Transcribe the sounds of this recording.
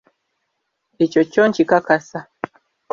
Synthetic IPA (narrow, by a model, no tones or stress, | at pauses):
it͡ʃɔt͡ʃɔɲt͡ʃikakasa